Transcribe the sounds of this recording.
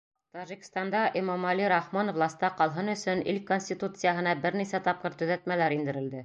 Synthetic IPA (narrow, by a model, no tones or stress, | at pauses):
t̪ɑʒikst̪ɑnd̪ɑʔimomɑliɾɑχmonovlˠɑsʲt̪ɑqɑlˠɦɤnɵ̆sɵnḭlkonsʲt̪ʲit̪ut̪sɨjaɦɤ̆nɑbɘɾnisæt̪ɑp̚qɤɾt̪ɵ̆ðæt̪mælæɾind̪ɘ̆ɾɘ̆ld̪ɘ